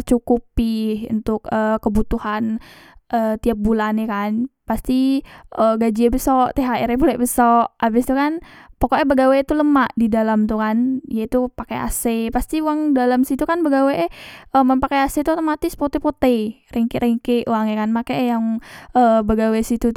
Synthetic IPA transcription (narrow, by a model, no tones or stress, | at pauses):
t͡ʃukupiṵnt̪ʊkəkːəbut̪uhan | ʔəːt̪iap̚bulanekanpast̪iʔəɡad͡ʒiabəsɔʔt̪eɦaʔɛɾɛbolɛʔbəsɔʔʔabɪst̪ukanpokoʔɛbəɡawet̪uləmaʔdidalamt̪ukanijait̪upakea̰sepast̪iuwaŋdalamsit̪ukanbəɡaweʔəməmpakaaset̪uat̪omat̪ɪspot̪epot̪ejrɛŋkeɾʔɛŋkeʔuwaŋjakanmakɛʔɛjaŋəbəɡawesit̪u